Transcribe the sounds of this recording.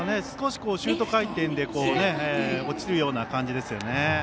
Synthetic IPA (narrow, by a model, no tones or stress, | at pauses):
ne̞sɨ̥ko̞ɕi̥ko̞ːɕɨːt̪o̞kait̪ẽ̞nd̪e̞ko̞ːne̞eot͡ɕiɾɯ̟jo̞ːnakãɲ̟d͡ʑid̪e̞sɨjo̞ne